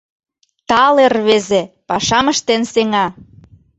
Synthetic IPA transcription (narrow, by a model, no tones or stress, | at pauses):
t̪ɑlerβezepɑʃɑməʃt̪enseŋɑ